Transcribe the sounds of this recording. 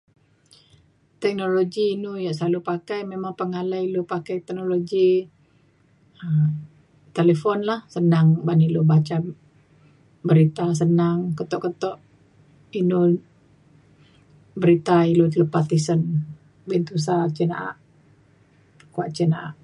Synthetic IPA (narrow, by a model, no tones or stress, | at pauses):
t̪ɛk̚noloɡiːnujaʔsalupakajmemaŋpəŋalailupakajt̪ɛk̚noloɡi | əm | t̪eləfɔnlahsənaŋbanilubat͡ʃa | bəɾit̪as̬ənaŋkət̪ɔʔkət̪ɔʔ | inu | bəɾit̪ailut̪lupat̪isən | bint̪us̬at͡ʃina̰ʔa̰ʔ | kuaʔt͡ʃɛnaʔaʔ